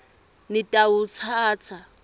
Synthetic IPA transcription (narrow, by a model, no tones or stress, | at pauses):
nɪtʼaʊt͡sʰaːt͡sʰa